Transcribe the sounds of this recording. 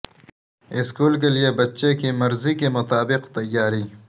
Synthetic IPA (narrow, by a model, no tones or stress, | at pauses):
ɪskuːlk̬elijebɐtːʃekimɐɾzikemʊt̪aːbɪqt̪ɐjːaːɾi